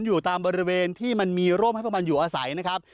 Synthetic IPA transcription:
njuː˨˩t̪aː˧mbɔː˧ɾi˦˥weː˧nt̪ʰiː˥˩ma˧nmiː˧ɾoː˥˩mha˥˩jpʰma˧njuː˨˩ʔaː˧sa̰˩˦jna˦˥kʰɾa˦˥p̚

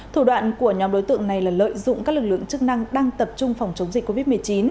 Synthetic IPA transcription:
t̪ʰu˧˩ɗwa̰ː˧˨nku˧˩əɲɔ˨˦mɗo˨˦jt̪ɨ̰˧əŋna˨˩jlaː˨˩lə̰ː˧˨jzʊ̰˧˨ŋ͡mkaː˦˥k̚lɨ˨˩k̚lɨ̰˧˨ə˨ŋt͡ɕɨ˦˥k̚na˧ŋɗaː˧ŋt̪ə˨˩p̚t͡ɕʊ˧ŋ͡mfa˨˩wŋ͡mt͡ɕə˨˦wŋ͡mzi̟˨˩ko˧vi˦˥t̚mɨ˨˩əjt͡ɕi˨˦n

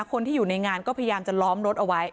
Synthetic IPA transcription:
kʰo˧nt̪ʰiː˥˩juː˨˩na˧ŋaː˧nkɔː˥˩pʰa˧ja˧jaː˧mt͡ɕa˨˩lɔː˦˥mɾo˦˥t̪̚ʔa˧wa˦˥j

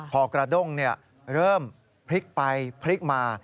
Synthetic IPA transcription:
pʰɔː˧˩kɾa˧do˥˩ŋni˥˩ɐ | ɾɤː˥˩m | pʰɾi˦˥k̚pa˧jpʰli˦˥k̚maː˧

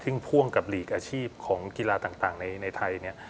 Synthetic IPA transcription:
t̪ʰɯ˥˩ŋpʰu˥˩əŋka˨˩p̬̚liː˨˩k̚ʔaː˧t͡ɕʰiː˥˩p̚kʰɔː˩˦ŋki˧laː˧t̪aː˨˩ŋt̪aː˨˩ŋna˧jna˧jt̪ʰa˧jni˥˩ɐ

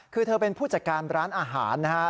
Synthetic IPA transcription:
kʰɯː˧t̪ʰɤː˧pe˧npʰuː˥˩t͡ɕa˨˩kaː˧nɾaː˦˥nʔaː˧ɦa̰ː˩˦nːa˦˥kʰa˦˥

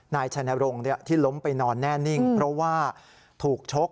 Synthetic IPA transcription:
naː˧jt͡ɕʰa˧na˧ɾo˧ŋni˥˩ɐt̪ʰiː˥˩lo˦˥mpa˧jnɔː˧nːɛː˥˩ni˥˩ŋŋpʰɾɔ˦˥waː˥˩ | t̪ʰuː˨˩k̚t͡ɕʰo˦˥k̚

